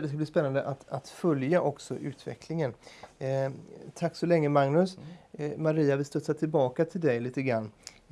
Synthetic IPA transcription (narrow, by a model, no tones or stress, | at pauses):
d̪ɛskab̪iːspɛnːand̪əʔat̪at̪fœljaʔɔksɔʔʉ̟ːt̪vɛ̰kʰlɪŋən | t̪ʰakːsɔlɛŋːəmaŋnɵsmaɾiːavɪlst̪œt̪sat̪ʰɪlbɑːkat̪ʰɪld̪ɛjliːt̪əɡɾanː